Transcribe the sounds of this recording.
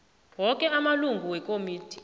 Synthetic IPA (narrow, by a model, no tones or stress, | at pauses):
wɔkʼɛamaluŋɡʱuwɛkʼomiːtʰi̥